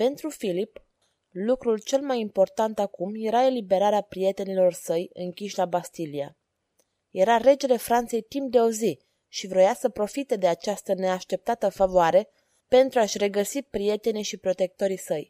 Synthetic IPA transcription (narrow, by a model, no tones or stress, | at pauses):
pe̞nt̪ɾufilip | lukɾult͡ʃe̞lmajimpo̞rt̪ant̪akumje̞ɾae̞libe̞ɾaɾeapɾije̞t̪e̞nilo̞rsəjɨŋkʲiʃʲlabast̪ilia̰ | je̞ɾaɾe̞d͡ʒe̞le̞fɾant̪se̞jt̪imp̚d̪e̞ozi | ʃivɾo̞jasəpɾo̞fit̪e̞d̪e̞at͡ʃast̪əne̞aʃt̪e̞p̚t̪at̪əfavoaɾe̞ | pe̞nt̪ɾuaʃʲre̞ɡəsipɾije̞t̪e̞niʃipɾo̞t̪e̞k̚t̪o̞ɾisəj